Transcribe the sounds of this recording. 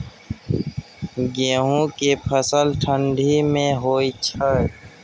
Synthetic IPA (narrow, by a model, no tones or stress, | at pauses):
ɡẽːɦũkepʰəsəlʈʰə̃ɳɖʱimẽɦoːit͡ʃʰə